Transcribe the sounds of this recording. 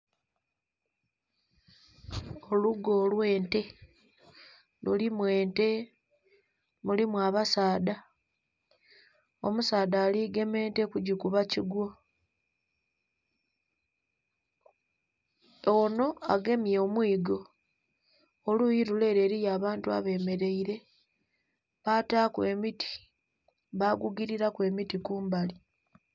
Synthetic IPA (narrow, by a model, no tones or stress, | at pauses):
oluɡo̞ːlwe̞ːnte̞ | lulimwe̞ːnte̞ | mulimwaːβasaːda | omusaːdaːliɡe̞me̞ːnte̞kuɟukuβaciɡwo̞ | ono̞aɡe̞mjoomwiːɡo̞ | lujiɾule̞ːɾe̞ːɾijaːβaːntua̰βe̞ːme̞ɾe̞iɾe̞ | βaːtaːkwe̞mitʰi̥ | βaɡuɡiɾiɾakwe̞ːmitikuːmbali